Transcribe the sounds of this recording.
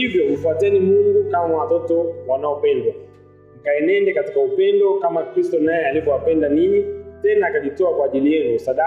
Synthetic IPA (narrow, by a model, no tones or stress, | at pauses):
ivjɔfuatɛnimuŋɡukamawatɔtɔwanaɔpɛndwa | ŋ̩kaɛnɛndɛkati̥kaupɛndɔkamakɾistɔnajɛalivɔwapɛndaniɲitɛnaːkaʄitɔakwaːʄilijɛŋusaɗa